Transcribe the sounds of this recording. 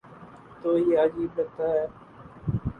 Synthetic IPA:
t̪oːɦiːaːd͡ʒiːblət̪aːɦɛː

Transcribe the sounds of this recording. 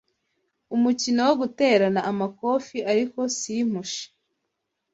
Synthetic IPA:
umucino̞woɡute̞ːɾanaʔamako̞ːfiaɾiko̞sim̥uʃe̥

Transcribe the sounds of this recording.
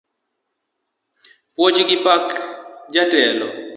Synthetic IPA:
pwot͡ʃiɡɪpakd͡ʒatɛlɔ̰

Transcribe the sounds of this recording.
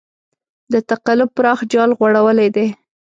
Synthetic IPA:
d̪ət̪aqalʊb̚pɾɑxd͡ʒɑlɣwaɽawəled̪e

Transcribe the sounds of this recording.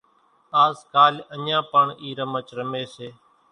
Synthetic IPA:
aːzkaːləɲjãːpəɳiːɾəmət͡ʃɾəmeːseː

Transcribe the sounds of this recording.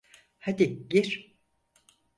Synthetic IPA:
had̪iɡiɾ̥

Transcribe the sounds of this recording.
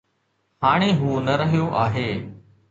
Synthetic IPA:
haːɽ̃eːɦũːnəɾəɦijoːʔaːɦeː

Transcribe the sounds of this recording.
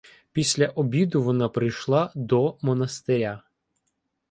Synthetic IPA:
pʲisʲlʲɐʔɔbʲid̪ʊʋɔnɑpɾɪjʃlˠɑd̪ɔmɔnɐst̪eɾʲa

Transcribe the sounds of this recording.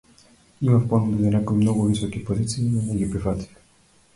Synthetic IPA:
imafpɔnob̪izanʲakojmnɔɡʊvisɔkipozit̪siːnomuɡʲipɾifat̪i̥

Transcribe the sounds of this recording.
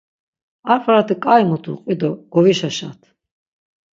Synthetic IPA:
aɾfʰaɾat̪ʰikʼajmɔt̪ʰuqʼid̪ɔɡ̥ɔviʃaʃat̪ʰ

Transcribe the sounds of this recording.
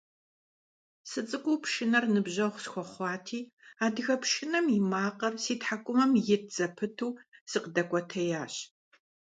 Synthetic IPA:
sɨt͡sʼɨkʷʼupʃɪnɐrnɨbʑɐʁʷsxʷɔχʷɑːtʰiːaːdɣɐpʃɪnɐmimaːqɐrsiːtħakʷʼʊmɐmjɪt̚d͡z̥ɐpʰɨtʰuːsɨqədɐkʷʼɔtʰɐjaːɕ

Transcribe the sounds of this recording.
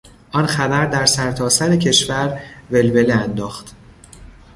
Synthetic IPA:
ʔɒnxæbæɾd̪æɾsæɾt̪ʰɒːsæɾecʰe̞ʃvæɾve̞lve̞leænd̪ɒːxt̪

